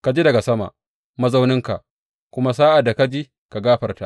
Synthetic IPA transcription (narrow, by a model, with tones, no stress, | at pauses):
ka˨d͡ʒiː˦dɐ˨ɡa˨sɐ˦ma̰˨ʔ | mɐ˦za˦wnɪ˦ŋka˨ʔ | kʷʊ˦ma˦s̬aː˦ʔa˨dːa˨ka˦d͡ʒi˦ | ka˨ɡaː˦ɸɐ˨rta˦